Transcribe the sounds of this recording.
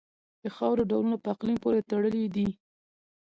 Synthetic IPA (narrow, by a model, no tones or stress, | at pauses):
d̪̥əxɑwɾoɖawlunapəaqlinpoɾet̪əɽəlid̪i